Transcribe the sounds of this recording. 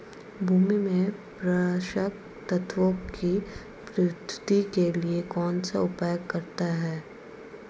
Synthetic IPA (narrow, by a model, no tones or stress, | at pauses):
bʱuːmimẽpɾɐʃək̚ | t̪ɐt̪ʰʋokki | pɾɪt̪ʰt̪ikeliekɔːnsaʊpaːjəkːɐɾt̪aɦɛː